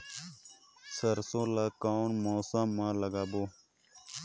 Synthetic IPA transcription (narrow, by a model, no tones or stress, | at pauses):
səɾsõːlaːkaːnmoːsãmːãːləɡaːboː